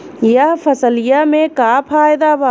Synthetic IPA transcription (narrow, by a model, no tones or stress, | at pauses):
jəɦpʰəsəlɪjamẽkaːpʰaːjɪd̪aba